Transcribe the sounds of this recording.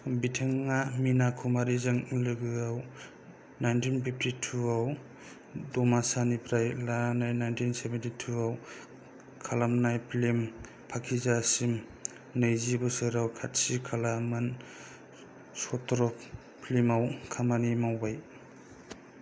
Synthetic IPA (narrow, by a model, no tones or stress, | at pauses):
bitʰeŋːaminakʰumaɾizɯŋlɯɡɯaw | najntʰinpʰip̚ʰtʰitʰuaw | dɔmasanipʰɾajlananajnajntʰinsebentitʰuaw | kʰalamnajpʰlim | pʰakʰizasim | nɯjzibɯsɯɾawkʰat̚sikʰalamɯn | sɔtɾɔ | pʰlimawkʰamanimawbaj